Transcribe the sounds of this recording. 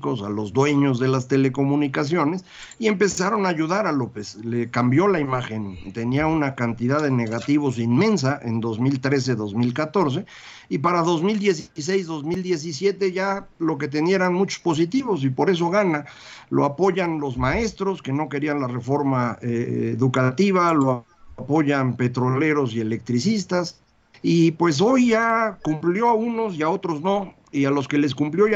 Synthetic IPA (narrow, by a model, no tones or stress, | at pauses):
ko̞salo̞zd̪we̞ɲo̞zðe̞last̪e̞le̞ko̞mũnikas̬jo̞ne̞s | ie̞mpe̞saɾo̞naːʝuðaɾalo̞peslekambjo̞laimaxe̞nt̪e̞niaunakant̪iðaðene̞ɣat̪iβ̞o̞s̬inmẽ̞ns̬aʔḛnd̪o̞zmilt̪ɾe̞s̬e̞ðo̞zmilkat̪o̞ɾs̬e̞ | ipaɾaðo̞zmild̪je̞s̬is̬ejzðo̞zmild̪je̞s̬isje̞t̪e̞ʝalo̞k̬e̞t̪̬enje̞ɾanmut͡ʃo̥spo̞s̬it̪iβo̞s̬ipo̞ɾe̞s̬o̞ɣana | lo̰apo̞ʝanlo̞zmae̞st̪ɾo̞ske̞no̞ke̞ɾianlare̞fo̞ɾmaeḛðukat̪iβ̞alo | po̞ʝanpe̞t̪ɾo̞le̞ɾos̬je̞le̞k̚t̪ɾisist̪as | ipwe̞s̬o̞jʝakumpljo̞auno̞siao̞t̪ɾo̞zno̞ | ialo̞ske̞le̞s̬kumpljo̞ʝ